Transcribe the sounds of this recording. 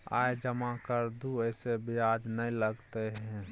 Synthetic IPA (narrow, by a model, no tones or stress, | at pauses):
a̰ːjd͡ʒəmakəɾd̪uəɪsebijad͡ʒnəiləɡt̪eɦɛ̃